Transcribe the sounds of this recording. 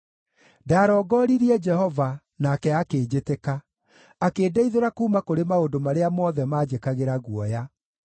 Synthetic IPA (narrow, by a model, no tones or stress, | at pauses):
daːɾɔɡɔɾiɾiɛd͡ʒɛhɔva | nakɛakeːd͡ʑeteka | akeːdeiðoɾakuːmakoɾemaondomaɾeamɔðɛmad͡ʑekaɣeɾaɣwɔja